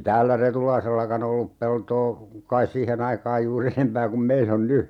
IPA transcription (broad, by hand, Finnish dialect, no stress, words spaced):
tæːlːæ retulɑiselːɑkɑn olːup peltoː kɑis siːhen ɑikɑːj juːrː enempæː kum meil on ny